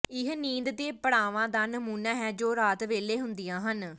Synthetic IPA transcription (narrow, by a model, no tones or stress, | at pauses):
ɪɦnĩːnd̪t̪eːpəɽaːʋãːd̪aːnəmuːnãːɦɛːd͡ʒoːɾaːt̪ʋeːleːɦʊnd̪ɪjãːɦən